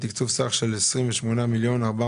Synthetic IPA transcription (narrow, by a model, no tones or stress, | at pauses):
t̪ikt͡suvsaχʃe̞lesʁimveʃmonamiljo̞naʁba